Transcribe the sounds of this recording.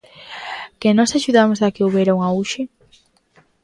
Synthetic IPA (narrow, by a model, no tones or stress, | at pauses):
kenɔsaʃuðamozðakeoβeɾauŋauʃe